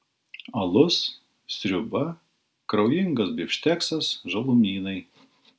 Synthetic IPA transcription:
ɐlˠʊs | sʲɾʲʊbɐ | kɾɐʊjɪŋɡɐsbʲɪʃʲt̪ʲɛksɐsʒɐlˠʊmʲiːnɐɪ

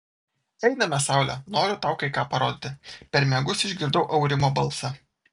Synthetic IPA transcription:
ɛɪnɐmʲɛsɑʊlʲɛnoːɾʲʊt̪ɑˑʊkɐɪkɑːpɐɾoːd̪ʲɪt̪ʲɪpʲɛɾmʲɛɡʊsɪʒʲɡʲɪɾd̪ɐʊʔɒʊɾʲɪmoːbɐlˠsɑ

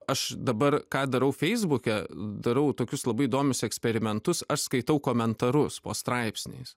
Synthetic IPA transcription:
ɐʃd̪ɐbɐrkɑːd̪ɐɾɐʊfʲɛɪzbʊkʲɛd̪ɐɾɐʊt̪oːkʲʊslˠɐbɐɪid̪oːmʲʊsɛksʲpʲɛɾʲɪmʲɛnt̪ʊsɐʃskɐɪt̪ɐʊkoːmʲɛnt̪ɐɾʊspoːst̪ɾɑɪpʲsʲnʲḛːs

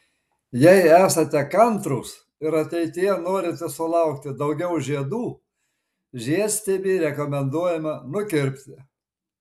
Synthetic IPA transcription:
jɛɪæːsɐt̪ʲɛkɐnt̪ɾuːs | ɪɾɐt̪ʲɛɪt̪ʲɪjɛnoːɾʲɪt̪ʲɛsʊlˠɐˑʊk̚t̪ʲɪd̪ɐʊɡʲɛʊʒʲiɛd̪uː | ʒʲiɛsʲt̪ʲebʲiːɾʲɛkomʲɛnd̪uɔjɛmɐnʊkʲɪɾʲpʲt̪ʲɪ

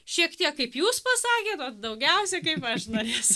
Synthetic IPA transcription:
ʃʲiɛkt̪ʲiɛkkɐɪpjuːspɐsɑːkʲeːt̪ot̪d̪ɐʊɡʲɛʊsʲɛkɐɪpɐʃnoːɾʲeːsʊ

